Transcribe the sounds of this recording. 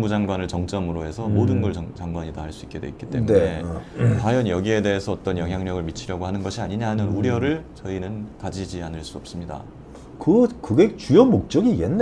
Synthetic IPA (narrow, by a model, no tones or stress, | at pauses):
mbud͡ʑaŋɡwanɯɭt͡ɕʌŋt͡ɕ͈ʌmɯɾoɦe̞sʰʌmodɯnɡʌɭʌt͡ɕaŋɡwaɲitaɦaɭs͈uik͈e̞dwe̞̰itk͈it͈e̞muneetajʌnjʌɡie̞de̞ɦesʰʌːt͈ʌnjʌŋɦjaŋɲʌɡɯɭmit͡ɕʰiɾjʌɡoɦanɯnɡʌɕʰiaɲiɲaɦanɯnuɾjʌɾɯɭt͡ɕʌinɯnkad͡ʑid͡ʑianɯɭs͈uʌp̚s͈ɯmɲida̰ | kɯkɯɡek̚t͡ɕujʌmok̚t͡ɕ͈ʌɡijenː